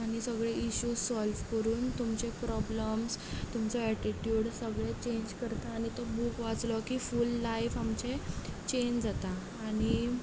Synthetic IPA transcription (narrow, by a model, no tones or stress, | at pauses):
aɽ̃isəɡɭeiɕuːsɔlʋkəɾuːnt̪umt͡ɕepɾɔbləmst̪umt͡sɔɛʈiʈjuɽsəɡɭet͡ɕeɲd͡ʑkəɾt̪aːɽ̃it̪ɔbukʋat͡slɔkifulːajfamt͡ɕet͡ɕend͡zat̪aː | ɽ̃i